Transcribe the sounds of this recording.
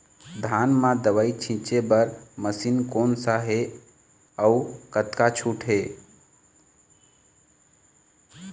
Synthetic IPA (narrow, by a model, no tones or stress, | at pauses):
d̪ʱanmãd̪əʋəit͡ʃʰĩt͡ʃebəɾməsinkoːnsaɦe | əukət̪kat͡ʃʰuʈʰɦe